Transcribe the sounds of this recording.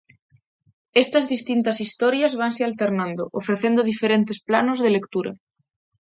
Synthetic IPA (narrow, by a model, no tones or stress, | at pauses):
est̪azðist̪int̪asist̪ɔɾjazβ̞ansealt̪eɾnãnd̪oʔofɾeθend̪oðifeɾent̪esplanozðelekt̪uɾa̰